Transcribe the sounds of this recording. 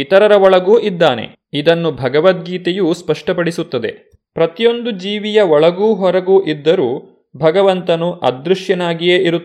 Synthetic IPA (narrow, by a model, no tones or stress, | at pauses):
it̪ɐɾɐɾɐɔɭɐɡuːʔid̪ːaːne̞̰ | id̪ɐnːubʱɐɡɐʋɐt̪̚ɡiːt̪ejuːspɐʂʈɐpɐɽisut̪ːɐd̪e̞̰ | pɾɐt̪ijo̞nd̪ud͡ʒiːʋijɐɔɭɐɡuːɦɔɾɐɡuːʔid̪ːɐɾuː | bʱɐɡɐʋɐnt̪ɐnuʔɐ̰d̪ɾuʂjɐnaːɡijeːʔiɾu